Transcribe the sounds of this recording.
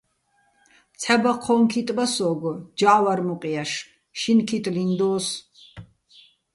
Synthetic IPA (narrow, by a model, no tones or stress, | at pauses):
t̪t͡sʰɛbaqʰɔŋkʰit̪ʼbasɔːɡɔd͡ʒaʔwaɾmuqʼiaʃ | ʃinkʰit̪ʼlind̪ɔːs